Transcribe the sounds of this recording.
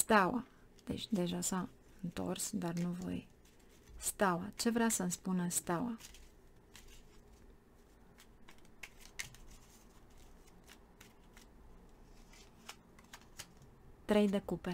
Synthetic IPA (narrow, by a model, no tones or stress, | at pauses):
st̪awa | d̪̥e̞̰t͡ʃʲd̪e̞ʒasa | ɨnt̪o̞̰rsd̪arnuvo̰j | st̪awat͡ʃe̞vɾasənspunəst̪awa | t̪ɾe̞jd̪e̞kupe